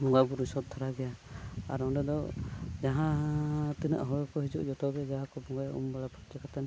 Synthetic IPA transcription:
bɔŋɡabuɾusɔt̪̚t̪ʰaɾaɡɛjaa̰ɾɔɖɛd̪ɔd͡ʒaɦãt̪inɛ̰ʔɦɔɔkɔɦid͡ʒṵʔd͡ʒɔt̪ɔbɛd͡ʒaɦakɔbɔŋɡajaṵmbaɽapɔt͡ʃɛkat̪ɛn

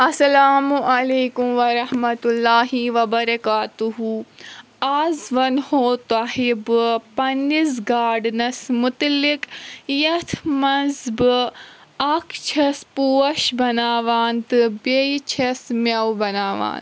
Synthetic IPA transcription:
ɐsɐlaːmuʔɐleːkumʋɐɾɐhmɐt̪ulːaːɦiʋɐbɐɾɐkaːt̪uɦu | aːzʋɐnhoːt̪aːɦibɨpɐnːizɡaːɖnɐsmʊt̪likjɐt̪ʰmɐzbɨ | ɐkt͡ʃʰɐspuːɐʃbɐnaːʋaːnt̪ɨbet͡ʃʰɐsmʲɐwbɐnaːʋa̰ːn

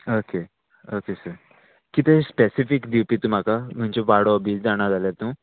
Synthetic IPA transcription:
oke | okesəɾ | kit̪espesifikd̪iwpit̪um̤akam̤aɲt͡ɕɔʋaɽobiːt͡sd͡zaɽ̃ad͡zaljaɾt̪ũː

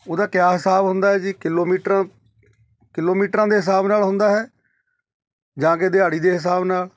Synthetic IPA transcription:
oːd̪aːkjaːɦɪsaːbɦʊnd̪aːɦɛːd͡ʒiːkɪloːmiːʈɾãː | kɪloːmiːʈɾãːd̪eːɦɪsaːbnaːlɦʊ̃nd̪aːɦɛː | d͡ʒãːk̬ed̪eaːɽiːd̪eːɦɪs̬aːbnaːl

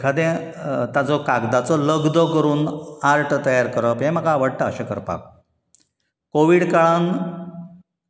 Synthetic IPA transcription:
kʰad̪ẽ | t̪ad͡zɔkaɡd̪at͡sɔləɡd̪ɔkəɾuːnaɾʈʰt̪əjaɾkəɾəpɦẽm̤əkaːʋəɽʈ̪əəɕẽkə̰ɾpa̰k | koʋiːɽkaɭan

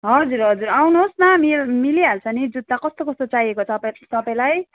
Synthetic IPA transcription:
ɦʌd͡zuɾɦʌd͡zurawnuɦosnʌmimiliɦalt͡sʰʌnid͡zud̪̚makʌst̪okʌst̪ot͡saɦijekot͡sʰʌpat̪ʌpaj̃laj

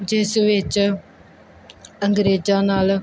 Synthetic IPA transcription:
d͡ʑeːsʋɪt͡ʃ | ɐ̃ŋɡɾeːd͡ʑãːnaːl

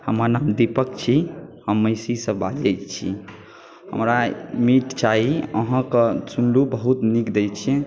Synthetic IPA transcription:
həməɾnamd̪ipək̚t͡ʃʰihəmːəɪsisə̃bad͡ʒɛt͡ʃʰḭ | hə̰mɾamiʈt͡ʃaɦiəɦə̃kət͡ʃunlubəɦut̪nikd̪ɛjt͡ʃʰɛ

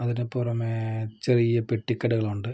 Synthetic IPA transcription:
ɐðinepːurɐmet͡ɕerijɐpeʈːikːɐɽɐɣɐɭuɳɖɨ

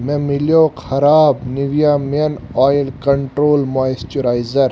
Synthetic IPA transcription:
mẽmiljoːkʰɐɾaːbniʋijaːmen | aːjlkɐɳʈɾoːlmaːjst͡ʃuɾaːjzɐɾ

